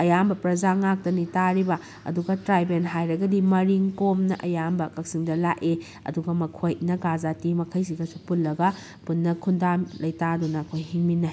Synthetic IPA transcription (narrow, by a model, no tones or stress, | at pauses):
ɐjambɐpɾɐzaŋak̚tɐnitaɾibɐ | ɐ̰duɡɐtɾajbenɦajɾɐɡɐdimɐɾiŋtomnɐ̰ʔɐjambɐkɐk̚siŋdɐlaʔe | ɐ̰duɡɐmɐkʰojnɐɡazatimɐkʰɐjsiɡɐsupulːɐɡɐ | punːɐkʰundamlɐjtadunɐkʰojhiŋminːa